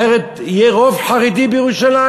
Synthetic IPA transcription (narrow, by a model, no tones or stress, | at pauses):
eʁet̪ | jeʁovħaʁid̪ibjʁuʃala